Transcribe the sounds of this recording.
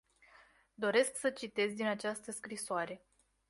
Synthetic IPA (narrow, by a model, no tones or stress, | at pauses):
d̪o̞ɾe̞sksət͡ʃit̪e̞zʲd̪inat͡ʃast̪əskɾisoaɾe̞